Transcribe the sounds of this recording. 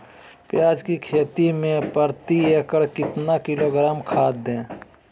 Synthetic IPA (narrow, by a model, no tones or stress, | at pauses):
pjaːd͡ʒkikʰeːt̪imẽpəɾt̪iekəɾkɪt̪nakɪloːɡɾaːmkʰaːd̪̚ẽː